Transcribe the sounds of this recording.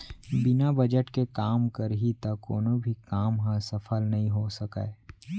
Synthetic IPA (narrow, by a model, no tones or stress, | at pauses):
bɪnabɐd͡ʒəʈkekaːmkɐɾɦit̪akoːnõbʱikaːmɦãsɐfʰəlnɐɦĩɦosɐka̰e